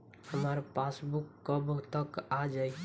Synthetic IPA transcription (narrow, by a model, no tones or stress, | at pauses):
həməɾpasbukːəbt̪əkad͡ʒai